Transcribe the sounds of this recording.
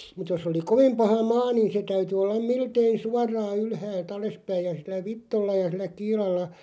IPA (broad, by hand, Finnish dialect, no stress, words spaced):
mut jos oli koʋ̆ĭm pɑhɑ mɑː niˑn̞ se tæyty olːɑm̆ miltei suɑrˑɑː ylhæːlt ɑlespæij̆ jɑ silˑæ ʋitːolːɑ jɑ silˑæ kiːlɑlːɑ